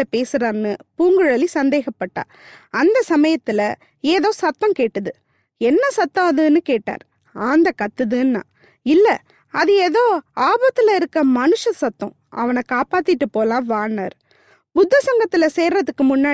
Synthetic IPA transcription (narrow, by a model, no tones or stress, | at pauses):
ɐpeːsɯɾaːɾnɯpuːŋɡɯɻɐlisɐnd̪eːɣɐpːɐʈːã̰ː | ɐnd̪ɐsɐmɐjɐt̪ːɪlɐ | eːðoːsɐt̪ːɐ̃mkeːʈːɐðɯ | ɛnːɐsɐt̪ːɐ̃ɐðɯnɯkeːʈːa̰ːɾ | aːnd̪ɐkɐt̪ːɯðɯnːã̰ː | ɪlːɐ | ɐðɯeːðoːaːbɐt̪ːɯlɐɪɾɯkːɐmɐnɯʂɐsɐt̪ːɐ̰̃ | ʔɐ̰ʋɐnɐkaːpaːt̪ːɪʈːɯpoːlãːʋaːɳːa̰ːɾ | bʊd̪ːɐsɐŋɡɐt̪ːɪlɐseːɾɾɐðɯkːɯmʊnːaː